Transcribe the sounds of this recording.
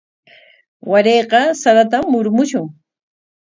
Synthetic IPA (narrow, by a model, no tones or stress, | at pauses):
waɾeːqɑsaɾat̪amːʊɾmʊʃʊŋ